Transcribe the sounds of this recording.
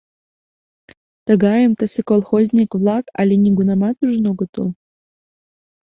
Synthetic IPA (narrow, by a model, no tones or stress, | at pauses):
t̪əɡɑjəmt̪əsekolˠxozʲnʲikvlˠɑkɑ̰lʲenʲiɡunɑmɑt̪uʒnoɡŏt̪o̰lˠ